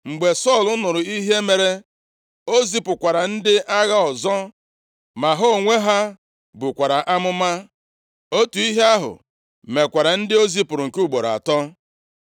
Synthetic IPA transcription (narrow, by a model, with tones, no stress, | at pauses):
ŋ͡m̩˨ɡ͡be˨sɔ˦˨lʊ˦nʊ˨ɾʊ˨i˦ɦe˦me˨ɾe˦ | o˦zi˦pʊ˨kʷa˨ɾa˨n̩˦dɪ˦ʔa˦ɣa˦ɔ˨zɔ˦ | ma˨ɦo˦˨ŋʷe˦ɦa˦ | bʊ˨kʷa˨ɾa˨ʔa˦mʊ˦ma˦ | o˦tu˨i˦ɦe˦a˦ɦʊ̰˨ | me˨kʷa˨ɾa˨n̩˦dɪ˦o˦zi˦pʊ˨ɾʊ˨ŋ̩˨ku˦ɡ͡bo˨ɾa̰˨tɔ˦